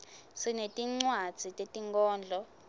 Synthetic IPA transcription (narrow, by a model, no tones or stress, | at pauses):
sinetʼiŋ͡ǀwad̥z̥ʱitʼetʼiŋkʼɔːnd͡ɮʱɔ